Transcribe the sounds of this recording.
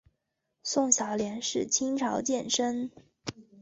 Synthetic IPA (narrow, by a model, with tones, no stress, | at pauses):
sʊ˥˩ŋɕjɑ˨˩ʊljɛ˧˥nʂɻ̩˥˩t͡ɕʰi˥ŋʈ͡ʂʰɑ˧˥ʊt͡ɕjɛ˥˩nʂə˥n